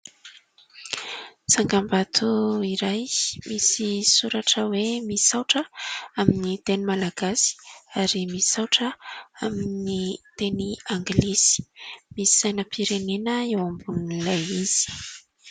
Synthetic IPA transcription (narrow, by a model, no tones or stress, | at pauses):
saŋɡambat̪ʰuiɾajmisisuɾaʈ͡ʂəwemisawʈ͡ʂəaminit̪enimalaɡasi̥aɾimisi̥sawʈ͡ʂəaminnit̪eniaŋɡlizi̥misi̥z̥ajnəpʰiɾenenəewambunilajiz̥i̥